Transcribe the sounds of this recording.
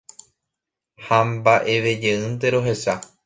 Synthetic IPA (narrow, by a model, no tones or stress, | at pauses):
hãmbaʔe̞ʋe̞d͡ʒeɨ̃nt̪e̞ɾo̞ɦe̞sa